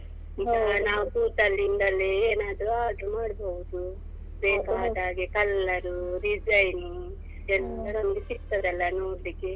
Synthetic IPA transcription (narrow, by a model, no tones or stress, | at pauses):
nt̪anaːʋubuːt̪ɐlːind̪ɐlːeeːnaːd̪ɐɾuaːd̪ɾumaːɽɐboːɡd̪u | beːpaːd̪aːɡekɐlːɐɾuɾid͡ʒɐjni | ɛlt̪ɐnɐmɐɡesikt̪ɐɾɐlːɐnoːɾlikːe